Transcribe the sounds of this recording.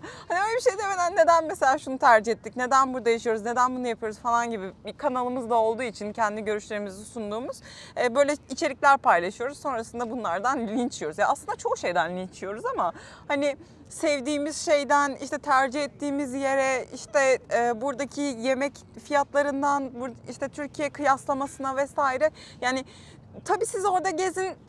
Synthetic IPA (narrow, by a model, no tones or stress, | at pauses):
haniølʲebiʃejd̪emed̪ænːe̞d̪ænmese̞lʲaːʃunut̪ʰæɾd͡ʒiɦɛt̪ʰːicne̞d̪ænbuɾd̪ajaʃ̬ijo̞ɾuzne̞d̪ænbunujapʰɯjo̞ɾuzfalˠanɟibibikʰanalˠɯmɯzd̪ao̞lˠd̪uːit͡ʃʰincʰɛnd̪iɟø̞ɾyʃlʲe̞ɾimizisund̪uːmuz̥ɛːbø̞jlʲɛit͡ʃʰe̞ɾiclʲæɾpʰajlˠaʃɯjo̞ɾuz̥so̞nɾasɯnd̪abunlˠaɾd̪anilʲint͡ʃʰijo̞ɾuzjaaːsˠɯnd̪at͡ʃʰo̞ʃejd̪ænlʲint͡ʃʰijo̞ɾuzama | hanɪ | sɛvd̪iːmiz̥ʃe̞jd̪ænḭʃt̪ʰɛt̪ʰæɾd͡ʒiɛt̪ːiːmizje̞ɾɛiʃt̪ʰɛːbuɾd̪acʰije̞mɛcfijat̪lˠaɾɯnd̪anbuɾiʃt̪ɛt̪ʰyɾcʰijɛkʰɯjaslˠamasɯnavɛsaːiɾɛjaːnɪ | t̪ʰabiːsizo̞ɾd̪aɟe̞zin